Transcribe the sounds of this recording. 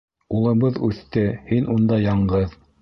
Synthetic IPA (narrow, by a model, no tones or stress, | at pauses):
ulˠɤ̆βɤðʉθt̪ɘhinʔund̪ɑjɑɴɢɤð